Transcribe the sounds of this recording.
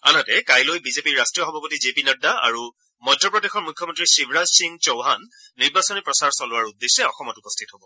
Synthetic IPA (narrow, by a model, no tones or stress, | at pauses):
a̰nɔtɛkajlojbizepiɹːastɹijɔxɔbʱapɔtizepinadaa̰ɹu | mɔjdʱːɔpɹɔdexɔɹmukʰːjɔmɔntɹisibʱɹazsiŋt͡ʃɔwɦanː | iɹbasɔnipɹɔsaɹsɔlʊwaɹudːesɛɔxɔmɔtupɔstʰitɦobɔ